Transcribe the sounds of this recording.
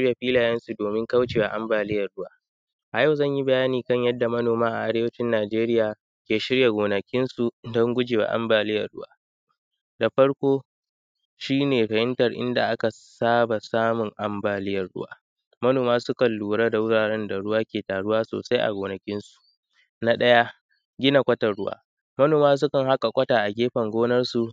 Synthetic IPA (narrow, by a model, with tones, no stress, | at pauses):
ʃɪ˦ɾja˨ɸiː˦laː˨jɛ˦nsu˨doː˨mɪ˦ŋkɐ˦wt͡ʃeː˨wa̰˦˨ʔa˦mbaː˨lɪ˦jɐ˨rɽʊ˦waː˦ | ʔa˨ja˦wzɐ˦˨ɲji˦bɐ˨jaː˦niː˨kɐ˦ɲjɐ˦dːa˨mɐ˦noː˨maː˦ʔa̰˨ʔa˦ɽeː˦wɐ˦t͡ʃɪ˦nːaː˨d͡ʒeː˦ɾɪ˦jaː˨ | kʲeː˨ʃɪ˦ɽja˨ɡʷoː˨nɐ˨kʲɪ˦nsu˨dɔ˦ŋɡʷʊ˦d͡ʒeː˨wa̰ː˨ʔa̰˦mbaː˨lɪ˦jɐ̰˨rɽʊ̰˦waː˦ | da˨ɸɐ˦ɽkʷoː˦ | ʃiː˦neː˨ɸɐ˨hɪ˦ntɐ˨rʔɪ̰˦nda̰˨ʔa˦ka˨ | saː˦ba˨saː˦mʊ˨ŋʔa˦mbaː˨lɪ˦jɐ˨rɽʊ̰˦wa̰ː˦ | mɐ˦noː˨maː˦sʊ˦kɐ˨nluː˨ɽaː˦da˨wʊ˦ɽaː˨ɽɛ˦nda˨ɽʊ˦waː˦kʲeː˨taː˨ɽʊ˦waː˦so̰ː˨sa˦jʔa̰˨ɡʷoː˨nɐ˨kʲɪ˦nsu̥˨ʔ | na˦ɗɐ˦ja˦ | ɡʲɪ˦na˨kʷʼɐ˦tɐ˨rɽʊ̰˦wa̰ː˦ | mɐ˦noː˨maː˦s̬ʊ˦kɐ˨ŋɦa˦kʼa˨kʷʼɐ˦taː˨ʔa˨ɡʲeː˦ɸɐ˨ŋɡʷoː˦nɐ˦rsu˨